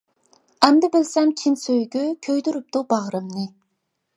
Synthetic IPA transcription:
ɛmd̪ɪbɪlsɛmt͡ʃʰinsøjɡʲykʲʰøjd̪yɾyp̚t̪ubɑʁɾɨmnɨ

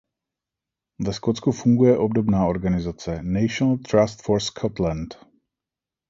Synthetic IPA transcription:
vɛskott͡skufuŋɡujɛʔobdobnaːo̞ɾɡanɪzat͡sɛnɛjʃonlt̪ɾast̪foɾskʰot̪lɛnt̪

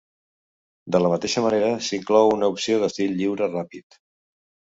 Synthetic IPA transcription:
d̪ələmət̪eʃəməneɾəsiŋklɔwunəupsioðəst̪iʎːiwɾərapit̪

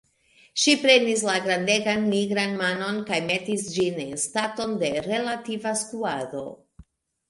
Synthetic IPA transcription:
ʃipɾe̞nis̬laɡɾande̞ɡanmiɡɾanmano̞nkajmetisd͡ʒinenstato̞nde̞ɾe̞lativaskuado̞̰

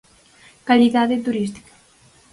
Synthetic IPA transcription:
kaliðaðet̪uɾist̪i̥kḁ

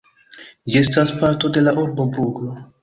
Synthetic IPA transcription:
d͡ʒiestaspaɾto̞de̞laʔuɾbo̞bɾuɡlo̞

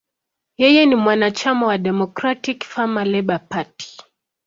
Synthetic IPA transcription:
jɛjɛnimwanat͡ʃamawaɗɛmɔkɾatikfamalɛɓapati̥

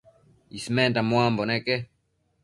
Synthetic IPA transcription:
ismɛntamwambɔnɛkɛ

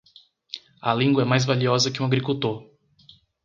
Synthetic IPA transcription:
ɐlĩŋɡwɐɛmajzvaliɔzɐkɪũaɡɾikuwt̪oɾ

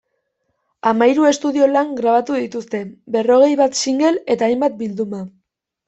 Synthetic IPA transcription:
amajɾue̞st̪uðio̞laŋɡɾaβ̞at̪uðit̪ust̪e̞be̞ro̞ɣ̞e̞jβat̪siŋɡe̞le̞t̪aːjmbat̪̚bild̪uma

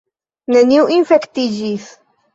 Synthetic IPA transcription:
næniwʔinfækt̪ːiʒiθ

